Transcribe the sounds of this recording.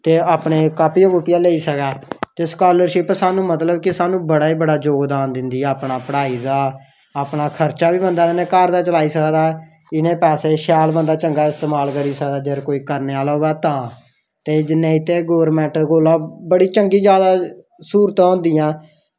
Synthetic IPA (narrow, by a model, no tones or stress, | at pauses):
t̪eːaːpɳeːkaːpiːoːɡuʈːɪjãːleːiːsəkaːt̪eskaːləɾʃɪpsaːnũːmət̪ləbkɪsaːnũːbəɽaːiːbəɽaːd͡ʒoːɡd̪aːnd̪ɪnd̪iːɛːaːpɳaːpəɽaːiːd̪aː | aːpɳaːkʰəɾt͡ʃaːʋiːbənd̪aːd͡ʒɪnẽːkaːɾd̪aːt͡ʃəlaːiːsəkd̪aː | ɪnẽːpɛːseːʃaːlbənd̪aːt͡ʃəŋɡaːɪst̪eːmaːlkəɾiːsəkd̪aːd͡ʒəɾkoːiːkəɾneːaːlaːɦoːɛːt̪ãː | t̪eːd͡ʒɪnːẽːɪt̪eːɡoːʋəɾmɛ̃ːɳʈɡoːlãːbəɽiːt͡ʃəŋɡiːd͡ʒjaːd̪aː | suːɾt̪ãːɦʊ̃nd̪iːãː